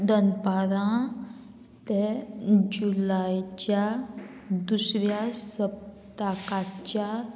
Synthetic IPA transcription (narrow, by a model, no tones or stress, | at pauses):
d̪ənpaɾã | t̪ed͡ʑulajt͡ɕja | d̪usɾjasəp̚ | t̪akat͡ɕja